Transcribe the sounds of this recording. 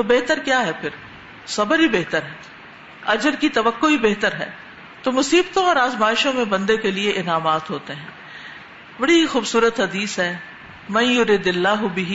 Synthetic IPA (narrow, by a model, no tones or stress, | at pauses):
t̪obeːɦt̪əɾkjaːɦɛpʰɪɾ | sɐbəɾɦibeːɦt̪əɾɦɛː | ɐd͡ʒəɾkit̪ɐʋəkːoɦibeːɦt̪əɾɦɛ̰ː | t̪oːmʊsiːbt̪õɔːɾaːzmaːɪʃõmẽbɐ̃nd̪ekelieʔɪnaːmaːt̪ɦoːt̪eɦɛ̃ː | bɐɽiixuːbsuːɾət̪ɦɐd̪iːsɦɛː | mɐ̃njʊɾɪːd̪ɪlːaːɦʊbɪɦ